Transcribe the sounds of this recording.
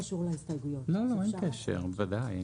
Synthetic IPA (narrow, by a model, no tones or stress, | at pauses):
aʃuʁlaist̪ajɡujololoenkeʃḛʁvad̪aj